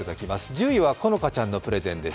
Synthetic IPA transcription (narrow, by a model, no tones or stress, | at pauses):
t̪ad̪akʲimasɨ̥ʑɨːiβako̞no̞kat͡ɕãnːo̞pɯ̟ɾe̞zẽ̞nd̪e̞s